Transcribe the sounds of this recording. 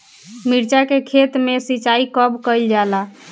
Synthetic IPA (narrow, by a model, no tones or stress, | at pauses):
miɾt͡ʃakekʰet̪mesit͡ʃaikəbkəjld͡ʒala